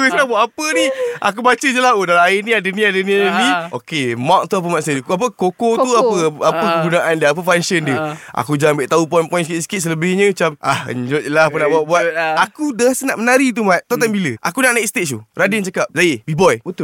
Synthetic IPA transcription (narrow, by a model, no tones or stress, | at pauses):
əsnabuaʔapəniʔa̰k̬ubat͡ʃəd͡ʒəlaodalaainĩadənĩadəniainniʔokemak̚t̪uap̬əmaʔsədkap̬əkokot̪uapəapəkəɡunaʔandiəap̬əfansəndəa̰kud͡ʒaaŋmbeʔt̪aupɔjnpɔjns̬kit̪̚sə̥kit̪̚s̬ələbehɲəmit͡ʃam̚ʔa̰hə̰ɲd͡ʒot̪̚lapənaʔbawaʔbuat̪akudasənaʔmənaɾit̪̬umaʔ̪̚t̪at̪ambiləʔa̰kunaʔnaiʔst̪esṵradənt͡ʃakap̚zaəbibɔjət̪